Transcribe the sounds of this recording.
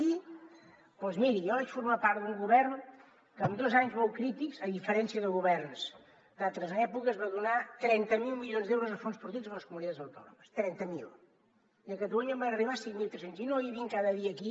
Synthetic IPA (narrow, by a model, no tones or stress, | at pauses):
i | pɔzmiɾijɔβat͡ʃfuɾmapaɾd̪uŋɡuβɛrn | kəːmd̪ɔzaɲzmɔlˠkɾit̪ikzəðifəɾɛnsiəðəɣuβɛrns | d̪alˠt̪ɾəzɛpukəzβaðunat̪ɾɛnt̪əmilˠmilionzðɛwɾuzəfonspuɾt̪iwzəmləskumunit̪ad͡zzəwt̪ɔ̰nṵməst̪ɾɛnt̪əmḭlˠ | iəkət̪uɔɲəmbanəriβasiŋmilˠt̪ɾɛsaɲzinojəβiŋkaðəðiəːki